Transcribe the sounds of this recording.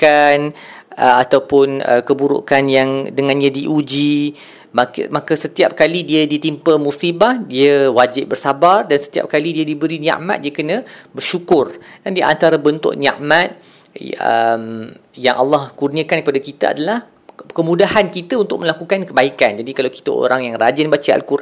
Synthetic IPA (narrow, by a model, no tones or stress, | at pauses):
kan | ʔəat̪awpʊnə̰kəbuɾṵʔkanjaŋdəŋãnjadiʔud͡ʒi | makmakəsət̪iap̚kalidiədit̪impəmusibahdiəwad͡ʒɪp̚bərsabardansə̥t̪ia̰p̚kalidiadibəɾinã̰ʔma̰t̪̚diəkənə̃bərʃukʊrdandiʔa̰nt̪aɾabənt̪ʊ̰ʔ̚nã̰ʔmat̪̚ | ə̰m | jaŋʔa̰lːɑhkurniakankəpadakit̪aa̰dalah | kəmũdahankit̪aunt̪ʊk̚mə̃lakukankəbaikand͡ʒadikalawki̥t̪əo̰ɾaŋjaŋrad͡ʒɪnbat͡ʃəa̰lkurʔ